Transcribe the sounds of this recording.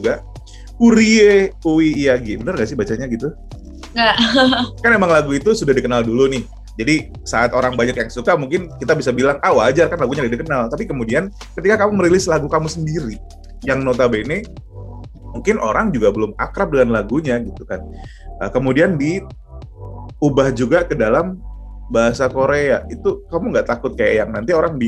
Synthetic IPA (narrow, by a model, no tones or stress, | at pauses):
d͡ʒuɡa | uɾieuwiːjaɡibənərŋɡaʔsɪhbat͡ʃaɲaɡit̪u | ŋɡaʔkanemaŋlaɡuit̪usudahdikənaldulunɪh | d͡ʒadi | saːt̪oɾaŋbaɲakjaŋsukamuŋkɪnkit̪abisabilaŋʔawad͡ʒarkanlaɡuɲadadikənalt̪apikəmudian | kət̪ikakamuməɾilɪslaɡukamusəndiɾi | jaŋnot̪abene | muŋkɪnʔo̰ɾaŋd͡ʒuɡabəlʊma̰kɾap̚dəŋanlaɡuɲaɡit̪ukan | əkəmudiandi | ubahd͡ʒuɡakədalam | baɦasakoɾeait̪ukamuŋɡaʔt̪akʊt̪̚kaja̰jaŋnant̪ioɾaŋbi